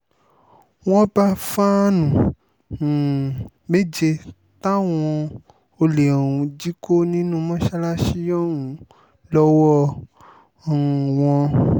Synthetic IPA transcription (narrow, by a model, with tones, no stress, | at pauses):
w̃ɔ̃˦ba˧fa˦nũ˨ | me˦d͡ʒe˧ | ta˦w̃ɔ̃˧ | o˧le˨ɔ˨ũ˨˧d͡ʒi˦ko˦nĩ˦nũ˦mɔ̃˦ʃa˦la˦ʃi˦jɔ̃˦˨wũ˨ | lɔ˦wɔ˦˨ | w̃ɔ̃˧